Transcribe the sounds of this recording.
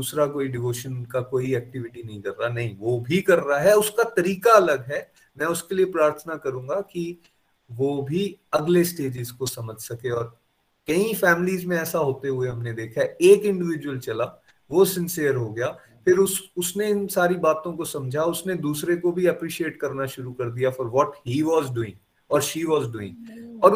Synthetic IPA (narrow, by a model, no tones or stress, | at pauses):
d̪uːsɾakoːiɖɪʋoːʃənkakoːiɛːk̚ʈɪʋɪʈinɐɦĩkɐɾːanɐɦĩʋoːbʱikɐɾːaaɦɛʊskat̪ɐɾiːkaɐlɐɡɦɛː | mɛ̃ːʊskeliepɾaːɾt̪ʰənakɐɾũːŋɡaki | ʋobʱiɐɡlesʈeːd͡ʒɪzkosɐməd͡ʒʱsɐkeɔːɾ | kɐĩfɛːmɪliːzmẽɛːsaɦoːt̪eɦʊeɦɐmned̪eːkʰaeːkɪ̃ɳɖɪʋɪd͡ʒwəlt͡ʃɐla | ʋosɪ̃nsɪjəɾɦoɡɐjaː | fʰɪɾʊsʊsneɪnsaːɾibaːt̪õkosɐ̃md͡ʒʱaʊsned̪uːsɾekobʱiɐpɾiːʃieːʈkɐɾnaʃʊɾukɐɾd̪ijafɔːɾʋɔːʈɦiːʋɔːzɖuːɪ̰̃ŋɡ | ɔːɾʃiːʋɔːzɖuːɪ̰̃ŋɡɔːɾ